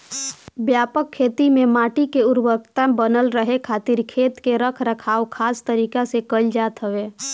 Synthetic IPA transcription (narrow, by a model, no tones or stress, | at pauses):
bjaːpəkʰːeːt̪imẽmaːʈikeʊɾwəkt̪abənəlɾəɦekʰaːt̪iɾkʰeːt̪keɾəkʰɾəkʰaːokʰaːst̪əɾiːkasekəld͡ʒaːt̪ɦəʋeː